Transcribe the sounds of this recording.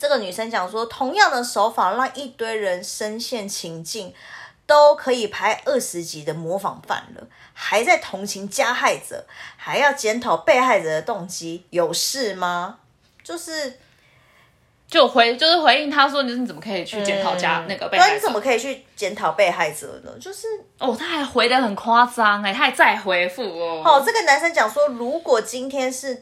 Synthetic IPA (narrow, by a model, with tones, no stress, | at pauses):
ʈ͡ʂə˥˩ɡə˩ny˨˩ʂə˦˥nt͡ɕjɑ˨˩ŋʂwɔ˦t̪ʰʊ˧˥ŋjɑ˥˩ŋd̪ə˨ʂo˧˥ʊfa˨˩ɻɑ˥˧ŋi˥˩t̪we˥ɪɻə˧˦nʂə˥nɕjɛ˥˩nt͡ɕʰi˧˥ŋt͡ɕi˥˩ŋt̪o˥ʊkʰɤ˨˧˥i˨˩pʰa˥ɪʔə˥˩ʂɻ̩˧˦t͡ɕi˧˥d̪ə˨mwɔ˧˥fɑ̰˨˩ŋfa̰˥˩nlə̰˩ha˧˥ɪt͡sa˥˩ɪt̪ʰʊ˧˥ŋt͡ɕʰi˧˥ŋt͡ɕja˦˥xa˥˩ɪt͡sə̰˨˩˦xa˧˥ɪjɑ˥˩ʊt͡ɕjɛ˧˥nt̪ʰɑ˨˩ʊpe˥˧ɪxa˥˩ɪt͡sə˨˩d̪ə˩t̪ʊ˥˩ŋt͡ɕi˦jo˨˩ʊʂɻ̩˥˩ma˨ | t͡ɕjo˥˧ʊʂɻ̩˥˩ | t͡ɕo˥˩ʊxwe˧˦ɪt͡ɕjo˥˧ʊʂɻ̩˥˩xwe˧˦ɪi˥˩ŋt̪ʰa˦ʂ̬wɔ˥ni˨˥˧t͡sə˨˩mə˩kʰɤ˧˦˥i˨˩t͡ɕʰy˥˨t͡ɕjɛ˧˦nt̪ʰɑ˨ʊt͡ɕja˦na˥˩ɡə˨pe˥˨˥ni˧t͡sə˨˩mə˦kʰɤ˧˥i˨˩t͡ɕʰy˥˩t͡ɕjɛ˧˥nt̪ʰɑ˨˩ʊpe˥˧ɪxa˥˩ɪt͡sə̰˨˩nə̰˨˩t͡ɕjo˥˧ʊʂɻ̩˥˩ | ʔɔ˥˩t̪ʰa˥xa˧˥ɪxwe˧˥ɪd̪ə˧˦xə˨˩nkʰwa˦˥sɑ˦˥ŋe˧˩t̪ʰa˥˧˦ɪt͡sa˥˨ɪxwe˧˥ɪfu˥˩˨ɔ˨˩t͡sɤə˥˩ɡə˩na˧˥nʂə˥nt͡ɕjɑ˨˩ŋʂwɔ˥ɻu˧˥kwɔ˨˩t͡ɕi˦˥nt̪ʰjɛ˥nʂɻ̩˥˨